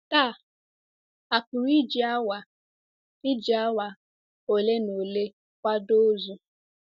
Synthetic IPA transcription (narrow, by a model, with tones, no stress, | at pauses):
ta˦˨ | a˨pʊ˨ɾi˦d͡ʒi˨a˦wa˨ | ɪ˦d͡ʒi˨a˦wa˨ | o˨le˦no˨le˦ | kʷa˦do˦zu˦